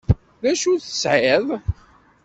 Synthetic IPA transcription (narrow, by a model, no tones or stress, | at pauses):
ðæʃuθə̥sʕɪðˤ